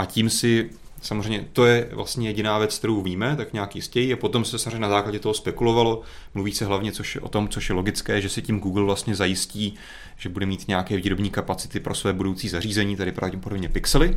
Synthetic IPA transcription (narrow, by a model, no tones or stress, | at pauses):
ʔaciːmsɪ | samozr̝eɛjɲɛt̪o̞jɛvlʔa̰st̪ɲɛjɛɟɪnaːvjɛt͡skt̪ɛɾowviːmɛt̪akɲaːkjɪstcɛjiapo̞t̪o̞msɛsamoreɲːɛnazaːklaɟɛt̪oɦospɛkulo̞valo̞mluviːsɛɦlavɲɛt͡so̞ʃɛʔo̞̰t̪o̞mt͡soʃjɛlo̞ɡɪt͡skɛːʒɛsɪcimɡuːɡl̩vlast̪ɲɛzajɪsciː | ʒ̥ɛbudɛmiːt̪ɲɛakɛːviːɾo̞bɲiːkapat͡sɪ̥t̪ɪpɾʔo̞svɛːbudowt͡siːzariːzɛɲiːt̪adɪpɾavɟɛpo̞do̞bɲɛpɪksɛlɪ